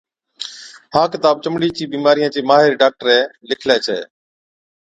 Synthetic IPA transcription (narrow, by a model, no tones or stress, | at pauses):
hãːkɪt̪aːb̚t͡ʃəmɽiːt͡ʃiːbiːmaːɾɪjãːt͡ʃiːmaːɦɪɾiɖaːk̚ʈəɾɛ̃ːlɪkʰleːt͡ʃʰḛː